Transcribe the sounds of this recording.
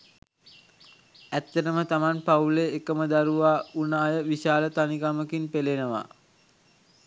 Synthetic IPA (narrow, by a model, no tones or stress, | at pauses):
æt̪ːəɾəmət̪amanpauleːkəməd̪aɾuʋaːunaːjəʋiʃaːlət̪aniɡaməkinpelenəʋa̰